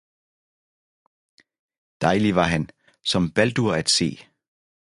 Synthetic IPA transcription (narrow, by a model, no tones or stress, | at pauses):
d̥ɑ̈ɪliʋɑ̈ɦæn | sɒ̽mb̥æld̥uɐæd̥se̝̰ː